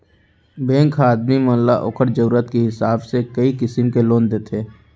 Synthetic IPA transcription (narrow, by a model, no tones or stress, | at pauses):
bẽːŋkʰaːd̪mimə̃ːlaʔo̰ːkʰəɾd͡ʒəɾuːɾət̪keɦɪsaːbsekəikɪsəmkeloːnd̪eːt̪ʰeː